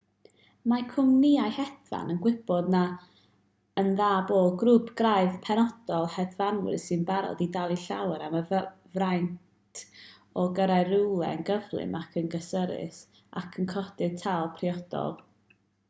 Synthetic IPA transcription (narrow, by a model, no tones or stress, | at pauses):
makʰʊmniajhɛdva̰nənɡwɪb̥ɔdna | ənðaːboːdɡrupʰɡ̥raɨðpʰɛnɔd̥ɔlˠhɛdvanwɪ̰rsɨnbaɾɔ̰didalˠiɬawəɾamə | vrajntʰ | ɔɡəɾaɨrɪwlˠɛ̰ənɡəvlˠɨ̰makʰənɡəsəɾɪ̰s | a̰kʰənkʰɔd̥ɨd̥tʰalˠpʰriɔd̥ɔ̰lˠ